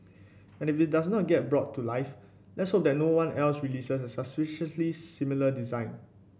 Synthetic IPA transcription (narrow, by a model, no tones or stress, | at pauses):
ɛ̃nifit̚das̬nɔt̚ɡɛt̚bɹɔtʰːulaɪf | lɛtshop̚dɛt̚nowãnɛlsɹilisəs̬ɛsəspɪʃəslisimilədizãɪ̃n